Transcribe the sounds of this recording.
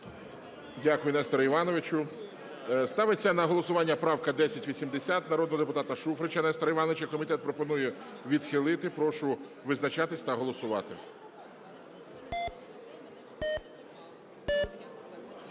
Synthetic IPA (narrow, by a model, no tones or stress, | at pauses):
dʲakʊjʊnɛst̪ɾɐiʋɑnɔʋɪt͡ʃʊ | st̪ɑʋet͡sʲːɐnɐɦɔlˠɔsʊʋɑnʲːɐpɾɑwkɐd̪ɛsʲɐtʲʋʲisʲimd̪esʲat̪nɐɾɔd̪nɔɦɔd̪epʊt̪ɑt̪ɐʃufɾet͡ʃɐnɛst̪ɾɐiʋɑnɔʋɪt͡ʃɐkɔmʲit̪ɛt̪̚pɾɔpɔnujɛ | ʋʲid̪xɪlˠɪt̪ɪpɾɔʃʊ | ʋɪznɐt͡ʃɑt̪ɪsʲt̪ɐɦɔlˠɔsʊʋɑ̰t̪ɪ̰